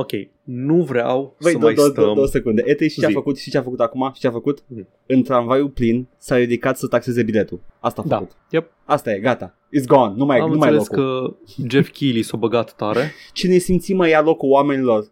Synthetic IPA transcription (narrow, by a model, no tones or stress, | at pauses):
okʲḛj | nuvɾea̰wvəjd̪oj̪d̪od̪owəse̞kund̪e̞ʔet̪ejʃi̥t͡ʃeafəkut̪ʃi̥t͡ʃeafəkut̪akumaʃi̥t͡ʃeafəkut̪ | ɨnt̪ɾanvajuplinsaɾid̪ikat̪sət̪akse̞ze̞bile̞t̪ulast̪aəkut̪ | ja | ast̪aje̞ɡat̪a | it̪s̬ɡɔnnːumajmumajjleokukəd͡ʒefkʲʰilisobəɡat̪ːaɾet͡ʃine̞simt̪simajalo̞kuwame̞nilo̞r